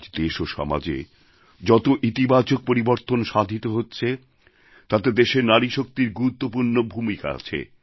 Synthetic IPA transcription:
d͡ʑd̪eʃoʃɔ̰ma̰d͡ʑḛ | d͡ʑɔt̪oʔit̪ibat͡ɕok̚poɾiboɾt̪onʃad̪ʱit̪oɦotːɕʰe | t̪at̪ed̪eʃeɾnaɾiʃok̚t̪iɾɡuɾut̪ːopuɾnobʱumika̰a̰t͡ɕʰḛ

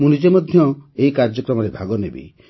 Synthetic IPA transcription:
munid͡ʒemɔd̪ʱjɔeikaɾd͡ʒɔkɾɔmɔɾebʱaɡɔnebḭ

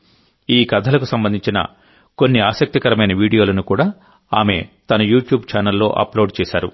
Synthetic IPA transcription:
iːkɐd̪ʱɐlɐkusɐmbɐnd̪iɲt͡ʃinɐ̰ | ko̞nːiaːsɐk̚t̪ikɐɾɐmɐjnɐʋiːɽijoːlɐnukuːɽaː | aːme̞̰t̪ɐnɐjuːʈjuːbt͡ʃaːnɐlːo̞̰ːʔɐ̰ploːɖt͡ʃɛːʃaːɾṵ

